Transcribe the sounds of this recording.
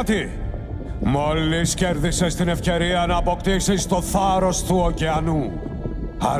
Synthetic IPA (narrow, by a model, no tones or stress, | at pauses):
t̪i | mo̞lːisce̞ɾðise̞st̪ine̞fce̞ɾiɐnɐːpo̞kt̪isist̪o̞θɐɾo̞st̪uoceɐnu | ɐ̰